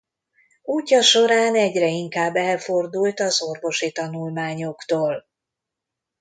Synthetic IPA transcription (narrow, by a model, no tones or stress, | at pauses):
uːcːɒʃo̞ɾaːnɛɟrɛiŋkaːbːɛlfo̞rd̪ult̪ɒzo̞rvo̞ʃit̪ɒnulmaːɲo̞kt̪oːl